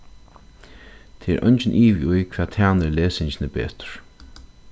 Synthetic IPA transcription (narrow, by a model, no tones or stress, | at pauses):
t̪ʰeːɛ̰ɾʔœ̰ɲt͡ʃɪnʔiːʋiujkʰv̥ɛːt̪ʰæːnɪɹleːsɪɲt͡ɕɪnɪbḛːt̪ʊ̥ɹ̥